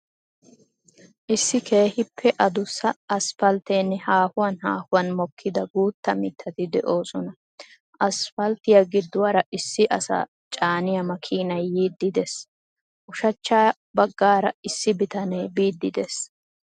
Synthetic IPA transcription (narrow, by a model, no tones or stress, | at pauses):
ʔɪsːɪkʰe̞ːhɪpʰːɛʔɐd̪ʊsɐɐsfɐlt̪eːnːɛhaːhʊwɐnhaːhʊwɐnmɔkʰːɪd̪ɐɡuːt̪ːɐmɪt̪ʰːɐt̪ɪd̪ɛ̰ʔo̞ːsɔnɐ | ʔɐsfɐlt̪ɪjɐɡɪd̪ːʊwɐɾɐʔɪsːɪʔɐsɐ̰ | t͡ʃʼaːnɪjɐmɐkʰiːnɐjːiːd̪ːɪd̪ɛs | ʔʊʃɐt͡ʃːaː | bɐɡːaːɾɐɪsːɪbɪt̪ɐneːbiːd̪ːɪd̪ɛs